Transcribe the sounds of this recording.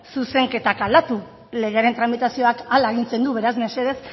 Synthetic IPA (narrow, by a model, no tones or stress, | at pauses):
suse̞ŋke̞t̪akald̪at̪u | le̞ɣ̞e̞aɾe̞nt̪ɾamit̪asio̞akalaeɣ̞int͡se̞nd̪uβe̞ɾazmese̞ðe̞s